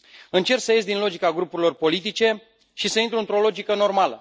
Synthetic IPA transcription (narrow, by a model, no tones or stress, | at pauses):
ɨnt͡ʃe̞rksəje̞sʲd̪inlo̞d͡ʒikaɡɾupuɾilo̞rpo̞lit̪it͡ʃe̞ | ʃisəint̪ɾuɨnt̪ɾo̞lo̞d͡ʒikəno̞rmalə̰